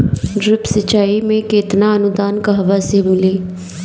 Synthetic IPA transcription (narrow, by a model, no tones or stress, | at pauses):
ɖɾɪpsət͡ʃaːiːmẽːkɪt̪naːənʊd̪aːnkəɦʋaːsebʊliː